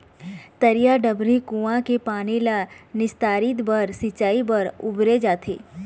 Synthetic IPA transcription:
t̪əɾijaɖəbɾikũãkepaːnilanɪst̪aːɾɪt̪bəɾsɪt͡ʃaːibəɾʊbɾed͡ʒaːt̪ʰḛː

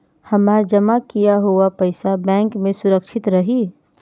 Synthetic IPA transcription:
hɐmaːd͡ʒɐmakijaɦuapɐɪsabɛ̃ːŋkmẽsʊɾəkʃɪt̪ɾɐɦi

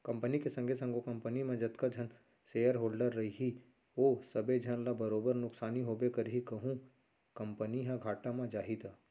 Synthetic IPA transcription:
kɐ̃mpənikesə̃ŋɡʱesə̃ŋɡokɐ̃mpənimẽd͡ʒɐt̪kad͡ʒʱɐn | seːjəɾɦoːlɖəɾːɐɦiɦi | oːsɐbed͡ʒʱənlabəɾoːbəɾnʊksaːniɦoːbekɐɾɦikɐɦũ | kɐ̃mpəniɦãɡʱaːʈamãd͡ʒaːɦid̪aː

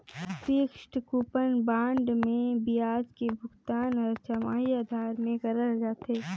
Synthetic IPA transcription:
seːkʃʈkuːpənbãːɳɖmẽbijaːd͡ʒkebʱʊɡt̪aːnɔɾt͡ʃəmaːɦiaːd̪ʱaːɾmẽɡɐɾəɾd͡ʒaːt̪ɦeː

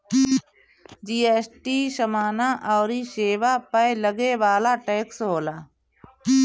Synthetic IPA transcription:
d͡ʒiːeːsʈiːʃəmaːnaʔɔːɾiʃeːʋapələɡeʋaːlaʈeːksɦoːlaː

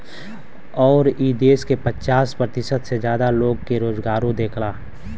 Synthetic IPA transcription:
ɔːɾiːd̪eːskepət͡ʃaːspɾət̪ɪʃət̪sed͡ʒjaːd̪aloːɡkeɾoːzɡaːɾõd̪eːkʰlaː

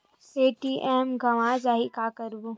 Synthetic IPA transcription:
eːʈiːʔɛːmɡɐʋad͡ʒaːɦikaːkəɾbu

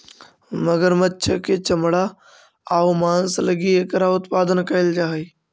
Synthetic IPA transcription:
məɡəɾmətːʃʰəket͡ʃəmɽa | aʋmaːnsləɡiekɾaʊt̪paːd̪ənkəɪld͡ʒaːɦi

